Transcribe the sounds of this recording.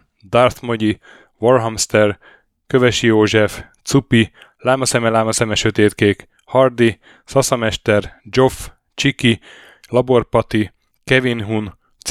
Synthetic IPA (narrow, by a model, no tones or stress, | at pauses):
d̪ɒrt̪moɟi | voɾɦɒmst̪ɛr | køvɛʃijoːʒɛft̪supilaːmɒsɛmɛlaːmɒsɛmɛʃøt̪eːt̪keːk | hɒrd̪i | sɒsɒmɛʃt̪ɛrd͡ʒo̞f | t͡ʃiki | lɒbo̞rpɒt̪i | kɛvinɦun | t̪